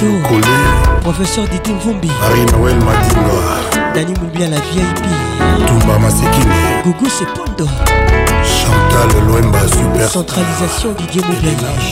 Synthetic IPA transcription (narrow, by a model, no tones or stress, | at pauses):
okolepʁofɛsœʁd̪id̪ivũmbiaʁinɔwɛlmadinwad̪animũmbialavjɛjpi | t̪ubamasikiniɡuɡusepɔ̃nd̪ɔ | ʃɑ̃t̪alloɛmbasypɛsɑ̃t̪χalizasjɔ̃d̪id̪jemudɛl